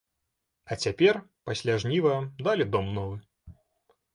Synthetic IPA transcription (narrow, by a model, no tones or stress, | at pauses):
ɐt͡sʲapʲɛrpasʲlʲaʐnʲivɐd̪alʲid̪ɔmnɔvɨ